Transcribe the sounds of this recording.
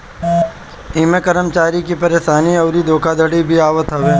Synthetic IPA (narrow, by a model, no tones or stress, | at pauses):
iːmekəɾəmt͡ʃaːɾikipɐɾeːʃaːniɐːɾid̪ʱoːkʰad̪ʱəɽibʱiaːʋət̪ɦɐʋeː